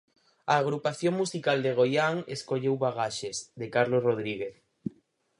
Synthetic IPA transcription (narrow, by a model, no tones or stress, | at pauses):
aːɣɾupaθjõŋmusikald̪eɣ̞ojaŋḛskoʎewβaɣaʃezðekaɾlosroð̞ɾiɣeθ